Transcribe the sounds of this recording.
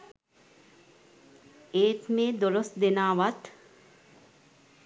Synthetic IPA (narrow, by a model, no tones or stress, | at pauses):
eːt̪meːd̪oɾosd̪enaːʋat̪